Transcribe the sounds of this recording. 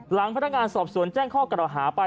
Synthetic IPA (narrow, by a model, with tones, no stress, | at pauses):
la˨˩˦ŋpʰaː˦˥a˥kŋaː˧nsɔː˨˩p̚su˨˩˦ənt͡ɕɛː˥˩ŋkʰɔː˥˩kɾa˨˩wɦaː˩˦pa˧